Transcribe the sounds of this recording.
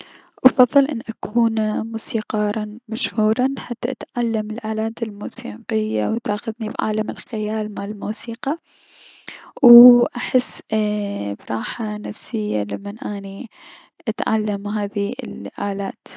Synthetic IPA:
ʔɑfɑðˤːɨlʔɪnːʔakuːnmuːsiːqɑːɾˤɑnmaʃhuːɾˤɑnħat̪ːaʔat̪ʕalːamɪlʔaːlaːt̪ɪlmuːsiːqɪjːawt̪ʔaːxʊðnibʕa̰ːlamɪlxɪjaːlmaʕɪlmuːsiːqɑ | wʔaħɪsː | bɾˤɑːħanafsɪjːalamːanʔaːni | ʔat̪ʕa̰lːamɦaːðiɪ̰lʔaːlaːt̪

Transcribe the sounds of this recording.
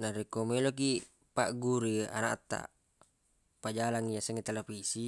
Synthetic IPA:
naɾikomelok̬i | paʔɡuɾia̰naʔt̪ːa̰ | pad͡ʒalaŋiasɛŋet̪elepisi

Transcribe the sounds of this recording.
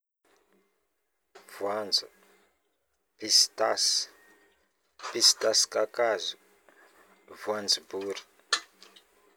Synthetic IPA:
vwand͡zu | pistas | pistaskakazu | vwand͡zibuːɾi̥

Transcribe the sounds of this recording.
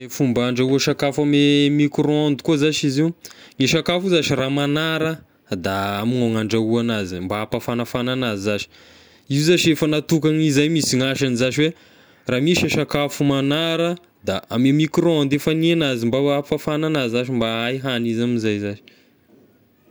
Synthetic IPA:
efumbaɳɖ͡ʐauaʃakafamemikɾɔnd̪ukuzaʃiziwŋiʃakafuzaʃiramanaɾə | d̪aamiŋaŋaɳɖ͡ʐauanazimbaapafanafananazizaʃi̥ | izaʃiefənat̪ukaŋizajmisiŋaʃanizaʃiwe | raːmiʃaʃakafumanaɾə | d̪aamemikɾond̪efanianazimbaafafananaziaʃimbaajɦanizamizajzaʃi̥

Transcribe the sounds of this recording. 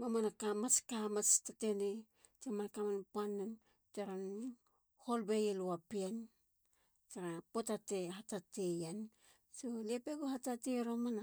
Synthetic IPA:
mamanakamaskamat͡ʃtatene | temankamanpuanːan | taɾan | holbejeluapian | t͡ʃaɾapotateɦatatejan | soliepeɡuhatateɾomana

